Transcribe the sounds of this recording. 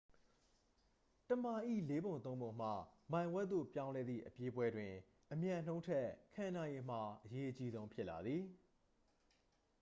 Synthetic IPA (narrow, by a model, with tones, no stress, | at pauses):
tə˨ma˨ʔḭ˦˨le˦bõ˨ʊ̃nt̪̬õ˦ʊ̃mbõ˨ʊ̃m̥a̰˦˨mã˨ɪ̃wɛ˦t̪t̪ːo̰˦˨pjã˦ʊ̃lɛ˦d̪ðḭ˦˨ʔəpje˦bwɛ˦dwɪ̃˨ | ʔəmjã˨n̥õ˦ʊ̃ntʰɛ˦kʰã˨na˨je˨m̥a˨ʔəje˦ʔət͡ɕi˦zõ˦ʊ̃pʰɪ˦ʔla˨d̪ði˨